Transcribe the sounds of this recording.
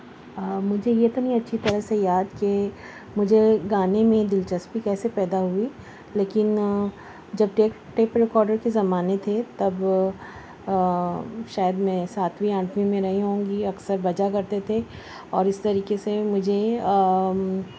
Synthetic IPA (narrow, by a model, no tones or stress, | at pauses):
mʊd͡ʒʱejeɪt̪nɐɦĩɐtːʃʰit̪ɐɾəɦsejaːd̪ke | mʊd͡ʒʱeɡaːnemẽd̪ɪlt͡ʃɐspikɛːsepɛːd̪aɦui | leːkɪn | d͡ʒɐb̚ʈeːk | ʈeːpɾɪkɔːɾɖəɾkezɐmaːnet̪ʰet̪ɐb | ʃaːjəd̪mɛ̃ːsaːt̪ʰʋiãːɳʈmimẽɾɐɦiɦõːŋɡiɐksəɾbɐd͡ʒakɐɾt̪et̪ʰe | ɔːɾɪst̪ɐɾiːkesemʊd͡ʒʱe